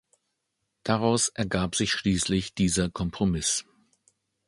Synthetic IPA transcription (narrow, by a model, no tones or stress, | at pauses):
d̥aʁaʊsʔɛɐɡaːpz̥ɪçʃliːslɪçd̥iːzɐkʰɔmpʁ̥omɪs